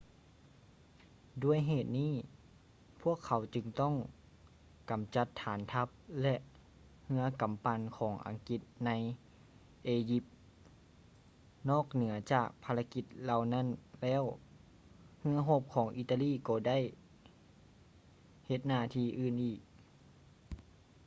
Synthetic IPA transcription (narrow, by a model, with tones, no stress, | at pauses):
du˧˩əjɦeː˨˩t̪̚niː˥˩˨ | pʰu˥˩əkʰːa˨˦wt͡ɕɯ˧ŋt̪ɔ˥˩˨ŋ | ka˨˦mt͡ɕa˧˦t̪ʰːaː˩˦nt̪ʰa˧˥p̚lɛ˧ʔ | hɯ˧˥ɐka˨˦mpa˧nkʰɔː˩˦ŋʔa̰˨˩˦ŋki˧˦t̪̚na˧˥j | ʔeː˧ji˧˥p̚ | nɔː˥˩k̚nɯ˩˦ɐt͡ɕaː˨˩k̚pʰa˧la˧ki˧˦t̪̚la˧wna˧˥˨nlɛː˧˥˨w | hɯ˧˥ɐɦo˧˥p̚kʰɔː˩˦ŋʔi˧t̪ːa˧liː˧˥˩kɔː˧da˥˨j | he˧˩t̪̚naː˧˩t̪ʰiː˧˩ʔɯː˨˩nʔiː˨˩k̚